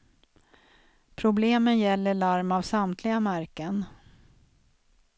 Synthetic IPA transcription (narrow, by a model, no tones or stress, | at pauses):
pʰɾʊbleːmənjɛlːəɭaɾmavsamt̪ʰlɪɡamæɾkən